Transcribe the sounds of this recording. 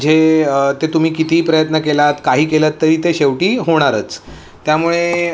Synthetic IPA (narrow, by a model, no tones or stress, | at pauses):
d͡ʑʱeət̪et̪um̤iːkit̪iːpɾəjət̪nəkelat̪kaɦiːkelət̪ːəɾiːt̪eɕeʋʈiːɦoɽ̃aɾət͡s | t̪ːjamuɭe